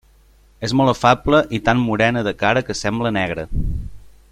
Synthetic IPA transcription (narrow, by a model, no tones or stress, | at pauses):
ezmɔlˠəfabləʔit̪amːuɾɛnəðəkaɾəkəsɛmblənɛɣ̞ɾə